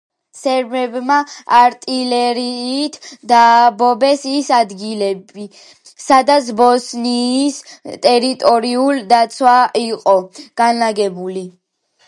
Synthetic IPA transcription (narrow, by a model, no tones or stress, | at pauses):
sɛɾmɛbmaaɾt̪ʼilɛɾiːt̪ʰd̪aːbɔbɛsisad̪ɡilɛbi | sad̪at̪sʰbɔsniːst̪ʼɛɾit̪ʼɔɾiuld̪at̪sʰwaiqʼɔɡ̥anlaɡɛbuli